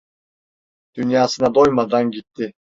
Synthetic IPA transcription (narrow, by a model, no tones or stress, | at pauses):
d̪̥ynjaːsɯnad̪ojmad̪anɡit̪ːi